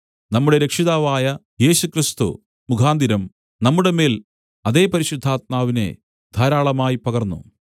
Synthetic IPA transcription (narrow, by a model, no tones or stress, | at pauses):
nɐmːuɽe̞ɾekʂiðaːʋaːjɐ | je̞ːɕukrist̪ṵ | mukʰaːnd̪iɾɐm | nɐmːuɽe̞me̞ːl | ɐðe̞ːpɐɾiɕud̪ʱːaːt̪̚maːʋine̞̰ | d̪ʱaːɾaːɭɐmaːjipɐɣɐrnːṵ